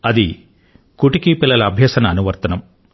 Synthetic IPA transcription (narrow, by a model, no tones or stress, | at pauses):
ɐd̪i | kuʈikipilːɐlɐːbʱjɐːsɐnɐːnuʋɐɾt̪ɐnɐm